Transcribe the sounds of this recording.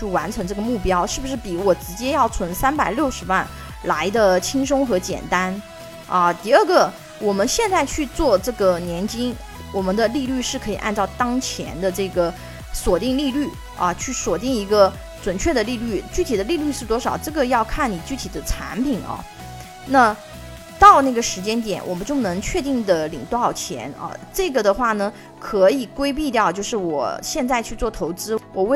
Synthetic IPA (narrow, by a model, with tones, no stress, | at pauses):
u˥˩wa˧˥nʈ͡ʂʰɤ˧˥ŋʈ͡ʂɤ˥˩ɡə˩mu˥˩pjɑ˥ʊʂɻ̩˥˩bu˩ʂɻ̩˥˩pi˧˥wɔ˨˩ʈ͡ʂɻ̩˧˥t͡ɕjɛ˥jɑ˥˩ʊt͡sʰwə˧˥nsa˥npa˨˩ɪljo˥˩ʊʂɻ̩˧˥wa˥˩n | la˧˥ɪd̪ə˧t͡ɕʰi˥ŋʂ̬ʊ˥ŋxɤ˧˥t͡ɕjɛ̰˨˩nt̪a˥n | ʔɐ˥˧t̪i˥˧ə˞˥˩ɡə˩ | wɔ˨˩mə˦nɕjɛ˥˧nt͡sa˥˧ɪt͡ɕʰy˥˧t͡swɔ˥˧ʈ͡ʂɤ˥˩ɡə˩njɛ˧˥nt͡ɕi˥ŋ | wɔ˨˩mə˦nd̪ə˧li˥˧ly˥˧ʂɻ̩˥˩kʰɤ˧˥i˨˩ʔa̰˥˧nʈ͡ʂɑ˥˩ʊt̪ɑ˥ŋt͡ɕʰjɛ̰˧˥nd̪ə˧ʈ͡ʂɤ˥˩ɡə˩ | swɔ˨˩t̪i˥˧ŋli˥˧ly˥˩ | ɐ̰˧t͡ɕʰy˥˩swɔ˨˩t̪i˥˩ŋi˧˥ɡə˧ | t͡swə˨˩nt͡ɕʰɥɛ˥˩d̪ə˩li˥˧ly˥˩t͡ɕy˥˩t̪ʰi˨˩d̪ə˦li˥˧ly˥˧ʂɻ̩˥˩t̪wɔ˥ʂɑ˨˩ʊʈ͡ʂɤ˥˩ɡə˩jɑ˥˧ʊkʰa˥˩nni˨˩t͡ɕy˥˩t̪ʰi˨˩d̪ə˦ʈ͡ʂʰa̰˧˥npʰi˨˩nɐ̰˧˦ | na˥˩˧ | t̪ɑ˥˧ʊna˥˩ɡə˩ʂɻ̩˧˥t͡ɕjɛ˥nt̪jɛ̰˨˩˦nwɔ˨˩mə˦nt͡ɕjo˥˩ʊnɤ˧˥ŋt͡ɕʰɥɛ˥˧t̪i˥˩ŋd̪ə˩lḭ˨˩ŋt̪ɑ˥˩ʊt͡ɕʰjɛ̰˧˥nɐ̰˧ʈ͡ʂɤ˥˩ɡə˩d̪ə˩xwa˥˩nə˩ | kʰɤ˧˥i˨˩kwe˥ɪp̬i˥˧t̪jɑ˥˧ʊt͡ɕjo˥˧ʊʂɻ̩˥˩wɔ̰˨˩ɕjɛ˥˧nt͡sa˥˧ɪt͡ɕʰy˥˧t͡swɔ˥˩t̪ʰo˧˥ʊt͡sɹ̩˥wɔ˨˩we˥˧